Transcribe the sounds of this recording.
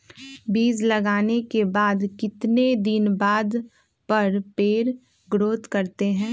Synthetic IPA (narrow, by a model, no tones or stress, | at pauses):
biːd͡ʒlɐɡaːnekebaːd̪kɪt̪ned̪ɪnbaːd̪ | pɐɾpeːɾ | ɡɾoːt̪kɐɾt̪eɦɛ̃ː